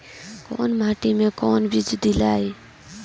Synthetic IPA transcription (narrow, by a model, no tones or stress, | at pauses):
ko̰ːnmaːʈimẽːkoːnbʱid͡ʒd̪ilaːe